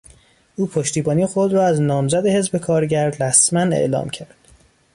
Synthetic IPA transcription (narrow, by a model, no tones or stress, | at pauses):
ʔuːpʰoʃt̪iːbɒːniːxod̪ɾɒːæznɒːmzæd̪e̞he̞zbe̞kʰɒːɾɟæɾɾæsmænḛʔlɒ̰ːmcʰæɾd̪̥